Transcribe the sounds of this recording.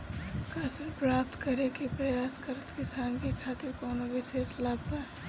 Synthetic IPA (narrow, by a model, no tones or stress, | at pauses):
kaːsɪɾpɾaːp̚t̪kɐɾekipɾɐjaːskəɾət̪kɪsaːnkekʰaːt̪ɪɾkɔːnoʋɪseːʃlaːpaː